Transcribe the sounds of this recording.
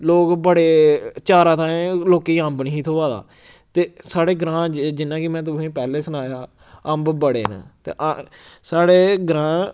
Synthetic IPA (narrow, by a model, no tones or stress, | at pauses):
loːkbəɽeːt͡ʃaːɾãːt̪ãːloːkiːəmbnɦiːt̪ʰoːʋaːd̪a̰ː | t̪eːsaːɽeːɡɾãːd͡ʒd͡ʒɪnãːkɪmɛ̃ːt̪̬ʊẽːpɛːleːsənaːjaː | əmbbəɽḛːnã̰ːt̪ḛːʔsaːɽeːɡɾãː